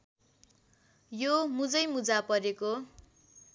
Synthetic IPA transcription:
jomud͡zʌjmud͡zapʌɾeko

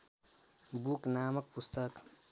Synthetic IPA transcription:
buknamək̚pust̪ək

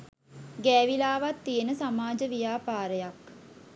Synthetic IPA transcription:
ɡɛːʋilaːʋat̪ːijenəsamaːd͡ʒəʋijaːpaːɾəjak

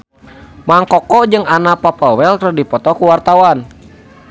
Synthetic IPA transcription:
maŋkɔkɔd͡ʒɨŋanapapawɛlkədipɔt̪ɔkuwart̪awan

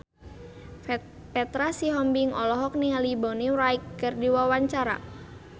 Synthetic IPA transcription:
pɛt̪ɾasiɦɔmbiŋɔlɔɦɔk̚nialibɔniwɾaikːərdiwawaɲt͡ʃaɾa̰

